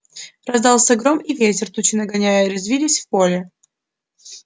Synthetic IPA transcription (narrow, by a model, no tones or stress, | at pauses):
rɐzd̪ɑlˠsʲɐɡɾomivʲetʲɪrt̪ut͡ɕɪnəɡɐnʲæjəɾɪzvʲilʲɪsʲfpolʲɪ